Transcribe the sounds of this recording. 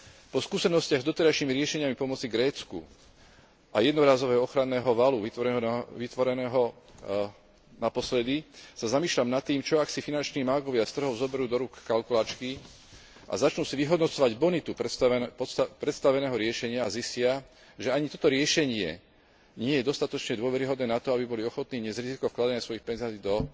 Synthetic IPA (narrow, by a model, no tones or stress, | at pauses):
pɔskuːsɛnɔscɪaɣzd̪ɔt̪ɛɾaʃiːmiɾɪɛʃɛɲɪamipɔmɔt͡siɡɾɛːt͡skṵ | ʔajɛd̪nɔɾaːzɔʋɛːɦɔɔxɾanːɛːɦɔʋaluʋit̪ʋɔɾɦʋit̪ʋɔɾɛnɛːɦɔ | napɔslɛd̪isazamiːʃlamnat̪ːiːmt͡ʃɔaksifinant͡ʃniːmaɡɔʋɪast̪r̩ɦɔʊzɔbɛɾuːd̪ɔɾukːalkulaːt͡ʃki | ʔa̰zat͡ʃnuːsiʋiɦɔd̪nɔt͡sɔʋaɟbɔnit̪up̪pɔst̪pɾɛt̪st̪aʋɛnɛːɦɔɾɪɛʃɛɲɪaːziscɪa | ʒɛaɲit̪ɔt̪ɔɾɪɛʃɛɲɪɛ̰ | ɲɪɛjɛd̪ɔst̪at̪ɔt͡ʃɲɛd̪ʊɔʋɛɾiɦɔd̪nɛːnat̪ɔabibɔliɔxɔt̪niːɲɪɛzɾizikɔfklad̪aɲasʋɔjixpɛnzaːiːd̪ɔ